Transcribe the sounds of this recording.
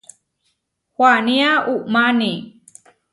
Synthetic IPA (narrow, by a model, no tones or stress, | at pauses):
hwaniaumani